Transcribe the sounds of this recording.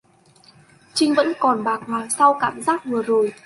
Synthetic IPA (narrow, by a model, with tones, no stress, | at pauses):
t͡ɕï˧ŋ̟və̰˧˥nkɔ˨˩nɓaː˨˩k̚maː˨˩sa˧wkaː˧˩mzaː˦˥t̚vɨ˨˩əzo˨˩j